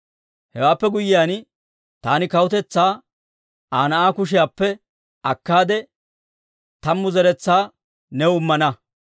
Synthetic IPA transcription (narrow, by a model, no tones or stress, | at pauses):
hɛwaːpːɛɡʊjɪjaːn | t̪aːnɪkɐwʊt̪ɛt͡sːaː | aːnɐʔaːkʊʃɪjaːpːɛ | ʔɐkːaːd̪ɛ | t̪ɐmːʊzɛɾɛt͡sːaː | nɛʊmːɐnɐ